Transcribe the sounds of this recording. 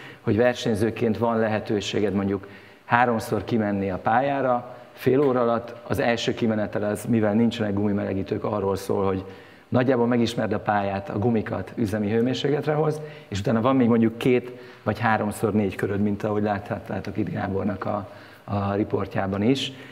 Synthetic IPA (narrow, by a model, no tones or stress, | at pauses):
ho̞ɟvɛrʃɛɲzøːkeːnt̪vɒnlɛɦɛt̪øːʃḛːɡɛd̪mo̞ɲɟuk | haːɾo̞mso̞rkimɛnːiɒpaːjaːɾɒ | feːloːɾɒɒlɒt̪ːɒzɛlʃøːkimɛnɛt̪ɛlɒzmivɛlnint͡ʃɛnɛɡɡumimɛlɛɡiːt̪øːkɒrːolso̰ːlho̞ɟ | nɒɟːaːbolmɛɡiʃmɛrd̪ɒpaːjaːt̪ʰɒ̰ɡumikɒ̰t̪yzɛmiɦøːmeːrʃeːklɛt̪rɛɦo̞z | eːʃut̪aːnɒvɒmːeːɡmo̞ɲɟukːeːt̪ | ʋɒcɦaːɾo̞mso̞rneːckøɾød̪mint̪ɒɦo̞ɟlaːt̪hɒt̪ːaːt̪o̞kid̪ɡa̰ːbo̞rnɒkɒ̰ | ripo̞rcaːbɒniʃ